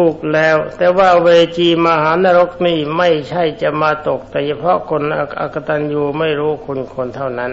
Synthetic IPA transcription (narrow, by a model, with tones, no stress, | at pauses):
uː˨˩k̚lɛː˦˥˩wt̪ɛː˨˩waː˥˩weː˧t͡ɕiː˧maː˧haː˩˦naː˧ɾo˦˥k̚niː˥˩ma˥˩jt͡ɕʰa˥˩jt͡ɕa˨˩ʔmaː˧t̪o˨˩k̚t̪ɛː˨˩t͡ɕʰa˧pʰɾɔ˦˥kʰo˧na˧˩ʔa̰˨˩kːa˧t̪a˧njuː˨˩ma˥˩jɾuː˦˥kʰu˧nkʰo˧nt̪ʰa˥˩wna˦˥n